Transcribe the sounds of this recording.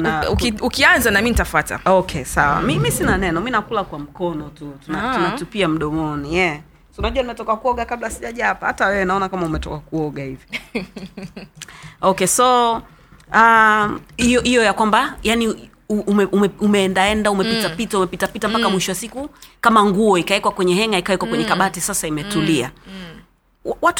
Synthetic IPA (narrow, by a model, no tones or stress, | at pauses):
naukiukianzanaminitafata̰ɔkʰɛsawa̰mimisinanɛnɔminakulakwam̩kɔnɔtutunatunatupiam̩ɗɔmɔnijɛ | unaʄuanimɛtɔkakuɔɠakaɓlasiʄaʄapahatawɛwɛnaɔnakamaumɛtɔ̰kakuɔɠahivi | ɔkɛsɔ | a | ijɔʔijɔjakwambajani | uumɛʔumɛumɛːndaɛndaumɛpitapitaumɛpitapitam̩pakamwiʃɔwasikukamaŋɡuɔikawɛkwakwɛɲɛɦɛŋaikawɛkwakwɛɲɛkaɓatisasaimɛtulia̰ | wawat